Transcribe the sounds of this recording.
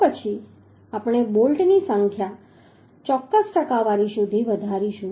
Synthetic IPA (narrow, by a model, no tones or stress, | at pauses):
pət͡ʃʰi | apəɽ̃ebolʈnisə̃ŋkʰja | t͡ʃɔkːəsʈəkaʋaɾiʃud̪ʱiʋəd̪ʱaɾiʃũ